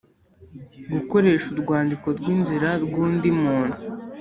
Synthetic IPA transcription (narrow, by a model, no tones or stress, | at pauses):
ɡuko̞ɾe̞ʃuɾɡwaːndiko̞ɾɡwiːnziɾaɾɡuːndimuːn̥hu